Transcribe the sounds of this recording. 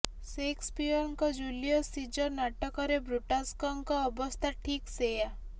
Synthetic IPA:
sekspiɔŋkɔd͡ʒulijɔsid͡ʒɔɾnaʈɔkɔɾebɾuʈaskɔŋkɔːbɔst̪ʰaʈʰikseja

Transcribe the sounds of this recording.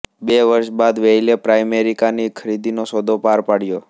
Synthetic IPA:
beʋəɾʃbad̪ʋeilepɾajmeɾikanikʰəɾid̪inosod̪opaɾpaɽjo

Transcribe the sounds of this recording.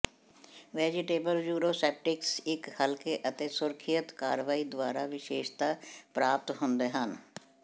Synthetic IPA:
ʋɛːd͡ʒɪʈeːbəljuːɾoːsɛːp̚ʈɪksɪkhəlkeːʔət̪eːsʊɾkʰijət̪kaːɾʋaːiːd̪ʋaːɾaːʋɪʃeːʃt̪aːpɾaːp̚t̪ɦʊnd̪eːɦən

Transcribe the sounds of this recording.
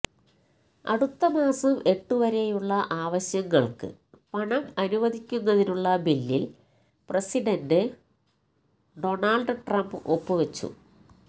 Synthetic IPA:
ɐ̰ɽut̪ːɐmaːsɐme̞ʈːuʋɐɾe̞juɭːɐʔaːʋɐɕjɐŋːɐɭkɨ̰ | pɐɳɐmɐnuʋɐðʱikʲːunːɐðinuɭːɐbilːil | presiɖɐndɨ | ɖo̞ɳaːlɖɨʈrɐmbɨʔopːɨʋet͡ɕːṵ

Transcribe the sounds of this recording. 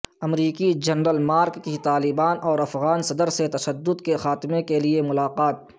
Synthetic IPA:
ɐmɾiːkid͡ʒɐnɾəlmaːɾkːit̪aːlɪbaːnʔɔːɾɐfɣaːnsɐd̪əɾset̪ɐʃəd̪ːʊd̪kexaːt̪ɪmekeliemʊlaːqaːt̪̚

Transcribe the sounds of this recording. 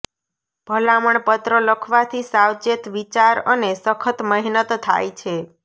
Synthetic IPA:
b̥ʱəlaməɳpət̪ɾələkʰʋat̪ʰisawt͡ʃet̪ʋit͡ʃaɾənesəkʰət̪məɦnət̪ːʰa̰jt͡ʃʰe

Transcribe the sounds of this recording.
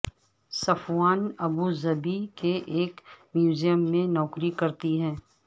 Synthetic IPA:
sɐfwaːnɐbuzɐbikeʔeːkmjuːzijəmːẽnɔːkɾikɐɾt̪iɦɛ̃ː

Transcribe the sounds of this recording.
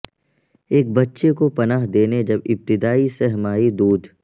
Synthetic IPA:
eːk̚bɐtːʃekopɐnaːɦd̪eːned͡ʒɐbɪp̚t̪ɪd̪aːisɛɦmaːid̪uːd̪ʱ

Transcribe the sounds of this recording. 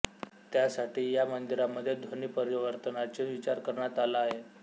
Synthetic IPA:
t̪jasaʈiːjamənd̪iɾamːəd̪ʱːjed̪ʱoniːpəɾiʋəɾt̪ənat͡ɕeʋit͡ɕaɾkəɾɳjat̪alaːɦe

